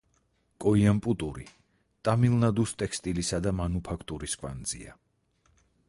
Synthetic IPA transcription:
kʼɔiampʼut̪ʼuɾi | t̪ʼamilˠnad̪ust̪ʼɛkʰst̪ʼilisad̪amanupʰakʰt̪ʼuɾiskʰʼwa̰nd̪z̥ḭa̰

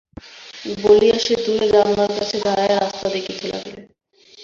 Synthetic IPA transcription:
boliaʃed̪uɾed͡ʑamːaɾkat͡ɕʰed̪ʱaɾajast̪ad̪ekifʰela̰ɦele

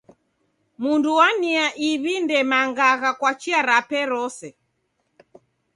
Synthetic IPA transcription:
munduwaniaʔiβindɛmaŋɡaɣakwat͡ʃiaɾapɛɾɔsɛ

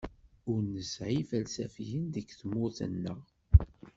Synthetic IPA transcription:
ʊɾnəsʕifælsæfijənd̪əkθəmʊθə̰nːəʁ

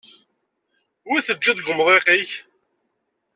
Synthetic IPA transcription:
wiθəd͡ʒːæðɡʊmðˤeqiç

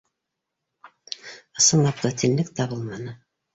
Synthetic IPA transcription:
ɤ̆sɤɴɑp̚t̪ɤt̪ʰɘ̆nlɘk̚t̪æbulˠmɑnɤ

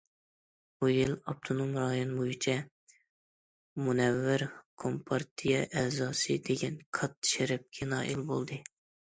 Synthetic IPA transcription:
b̥ujilɑp̚t̪ʰonomɾɑːjonbojit͡ʃʰɛ | munɛvːɪɾkʰompʰɑɾt̪ʰijɛʔɛːzɑːsɨd̪eɡʲɛnkʰɑt̪ːʃeɾɛp̚kʲʰɛnɑ̰ːʔilbolˠd̪ɨ

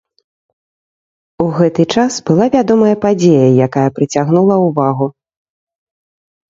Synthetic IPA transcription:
uɣɛt̪ɨt͡ʂasbɨlˠavʲad̪ɔmɐjɐpad͡zʲejɐjakajɐpɾɨt͡sʲaɣnulˠɐuvaɣu

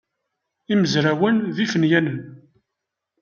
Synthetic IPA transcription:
iməzɾæwənðifənjænən

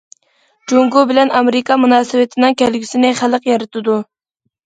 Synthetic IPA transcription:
d͡ʒoŋɡubɪlɛnɑmeɾɪkɑmunɑːsɨwɪt̪ʰɪnɪŋkʲʰɛlɡʲisɪnɪχæləqjɑɾɨt̪ʰɨd̪u

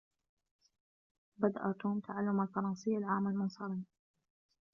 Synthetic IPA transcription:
bad̪aʔat̪uːmt̪ʰaʕalːʊmalfɑɾˤɑnsˤɪjːalʕaːmːalmʊnsˤɑɾiː

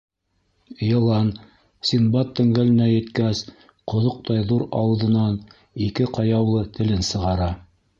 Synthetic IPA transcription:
jɤ̆lˠɑn | sʲinbɑt̪ːɵ̆ŋɡælɘ̆næjɘ̆t̪kæs | qŏðoq̚t̪ɑjðuɾɑ̰wɤ̆ðɤ̆nɑn | ikɘqɑjɑwlˠɤt̪ʰɘ̆lɘnsɤ̆ʁɑɾɑ

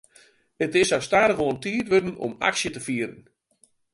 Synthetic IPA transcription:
ətɪsawstaːɾəxoəntiətʋødn̩ɔ̰ma̰ksjətəfiəɾən̩

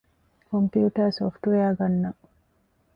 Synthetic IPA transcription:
kompjiuːʈɐsoːfʈʋejaːɡɐnːɐ

